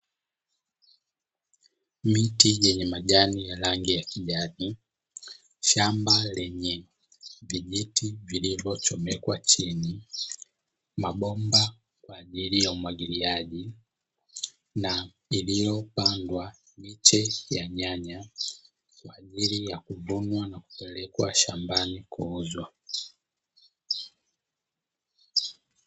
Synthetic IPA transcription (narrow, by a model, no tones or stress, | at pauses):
mitiʄɛɲɛmaʄanijalaŋɡijakiʄani | ʃambalɛɲɛ | viʄitʰivilivɔt͡ʃɔmɛkwat͡ʃini | maɓɔmba | kwaːʄilijaumwaɡiliaɟi | na | ilijɔpandwa | mit͡ʃɛjaɲaɲa | kwaːʄilijakuvunwanaku̥pɛlɛkwa̰ʃambanikuːzwa